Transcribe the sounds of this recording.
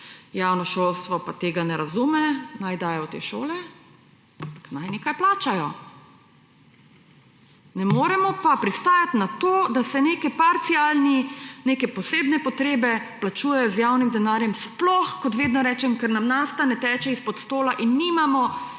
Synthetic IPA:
jawnɔʃoːlst̪ʋɔpat̪eːɡanɛɾazuːmɛnajd̪aːjɛt̪ḛːʃoːlɛ | paknajneːkajplaːt͡ʃajɔ | nɛmoːɾɛmɔpapɾist̪aːjat̪nat̪oːd̪asɛnekɛpaɾt̪sialnineːkɛpɔseːbnɛpɔt̪ɾeːbɛplat͡ʃuːjɛjɔzjaːwnimd̪ɛnaːɾjɛmsplɔxkɔt̪ʋeːd̪nɔɾɛːt͡ʃɛmkɛɾnamnaːft̪anɛt̪ɛːt͡ʃɛispɔt̪st̪oːlaʔinːiːmamɔ

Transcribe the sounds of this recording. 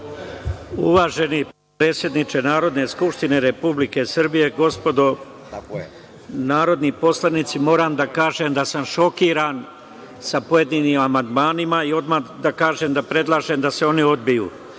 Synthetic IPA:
ṵʋaːʒe̞ni | pɾe̞ːt̪sjed̪nit͡ʃe̞naːɾo̞d̪ne̞skupʃt̪ine̞ɾe̞publike̞sr̩bije̞ɡo̞spo̞d̪o̞ | naːɾo̞d̪nipo̞slˠanit̪simo̞ːɾaːmd̪akaːʒemd̪asamʃo̞kiːɾaːn | sapo̞je̞d̪iːniːmamand̪maːnimaio̞d̪mad̪akaːʒeːmd̪apɾe̞d̪lˠaːʒemd̪ase̞o̞nio̞d̪bijṵː

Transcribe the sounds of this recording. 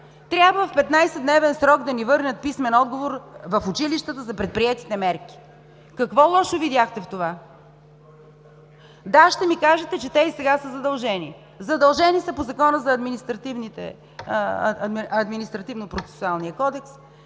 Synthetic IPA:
t̪ɾʲjabvəfpɛt̪najsɛd̪nɛvɛnsɾɔɡd̪ɐnivɤɾnʲət̪̚pismɛnɔd̪ɡovoɾvɐfʊt͡ʃiliʃt̪ət̪əzɐpɾɛt̪̚pɾiɛt̪i̥t̪ɛmɛɾki̥ | kɐkvɔlˠɔʃovid̪ʲjaxt̪ɛft̪ova | d̪aʃt̪ɛmikaʒɛt̪ɛt͡ʃɛt̪ɛisɛɡasəzɐd̪ɐlˠʒɛni | zɐd̪ɐlˠʒɛnisɐpozɐkɔnəzɐːd̪minist̪ɾɐt̪ivnit̪ɛ̰ | ɐd̪ɐd̪minist̪ɾɐt̪ivnopɾot̪sɛ̥sualˠnijəkɔd̪ɛks

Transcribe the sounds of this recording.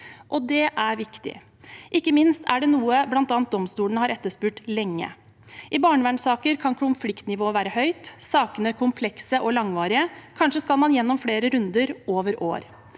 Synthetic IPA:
ʔɔd̪ɛʔæɾʋɪkt̪ɪ̰ | ʔɪkːəmɪnst̪ʰæɖɛnuːəblɑnt̪ɑːnt̪̚d̪ɔmst̪uːləɳ̩əhɑːɾɛt̪ːəʂpʉːʈlɛŋːə̰ | ʔɪbɑːɳəʋæɳsɑːkəɾkʰɑnkʰʊnflɪkt̪nɪʋoːʋæːɾəhœʏt̪sɑːkənəkʰʊmpʰlɛksəʔɔlɑŋʋɑːɾɪəkʰɑnʂəskɑlmɑnjɛnːɔmfleːɾəɾʉnd̪əɾʔoːʋəɾo̰ːɾ

